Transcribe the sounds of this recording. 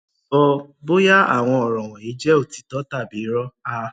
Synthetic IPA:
ɔ˧bo˦ja˦a̰˦˨w̃ɔ̃˧ɔ˨ɾɔ̃˨w̃ɔ̃˨i˨˦d͡ʒɛ˦o˦˨ti̥˨tɔ˦ta˦˨bi˨˦ɾɔ˦a˦˧

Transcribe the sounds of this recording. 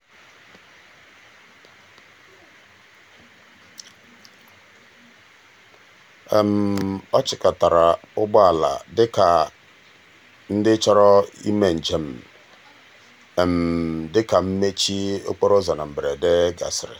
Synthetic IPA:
e˨m̩˨ɔ˦t͡ʃɪ˨ka˨ta˨ɾa˨ʊ˦bɔ˦a˨la̰˨dɪ˦ka˨ | n̩˦dɪ˦t͡ʃɔ˦ɾɔ˦ḭ˦me˨n̩˨d͡ʒe˨m̩˨ | e˨m̩˨dɪ˦ka˨m̩˦me˦t͡ʃi˦o̰˦k͡po˦ɾo˦za˨na˨m̩˨bɾe˨de˦ɡa̰˨sɾɪ̰˨

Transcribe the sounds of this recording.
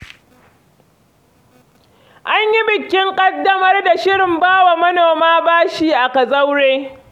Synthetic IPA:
ʔa˦ɲji˦bɪ˨kʲːɪ˦ŋkʼɐ˦dːɐ˦mɐ˦rda˨ʃɪ˦ɽɪ˨mbaː˦wa˨mɐ˦noː˨maː˦baː˦ʃiː˦ʔa˨kɐ˨zɐ˦wɽeː˦

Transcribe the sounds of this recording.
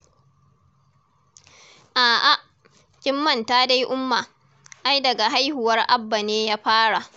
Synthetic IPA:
ʔaː˨ʔa˨ʔ | kʲɪ˦mːɐ˦˨ntaː˦da˦jʔʊ˦mːa˨ | ʔa˦jdɐ˨ɡa˨ɦa˦jhʊ˨wɐ˦rʔa˦bːa˨neː˦jaː˦ɸaː˦ɽa˨ʔ

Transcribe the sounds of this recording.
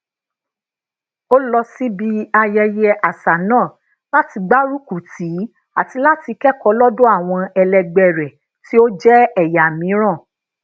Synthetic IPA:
o˦lɔ˧si˦bi˧a˧jɛ˧jɛ˧˦ʔa˨sa˨nãː˦˨ | la˦ti˧ɡ͡ba˦ɾu˦ku˨ti˨˦ | a˨ti˧la˦ti˧kɛ˦kɔ˨˦lɔ˦dõ˦a˦˨w̃ɔ̃˧ɛ˧lɛ˧ɡ͡bɛ˦˨ɾɛ˨ | ti˦o˦d͡ʒɛ˦ɛ˦˨ja˨mĩ˨˦ɾ̃ã˦˨

